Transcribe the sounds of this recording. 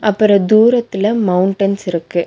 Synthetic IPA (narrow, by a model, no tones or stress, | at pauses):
ʔɐpːɐɾɐd̪uːɾɐt̪ːɪlɐmɐwʊɳʈɐnsɪɾɯkːɯ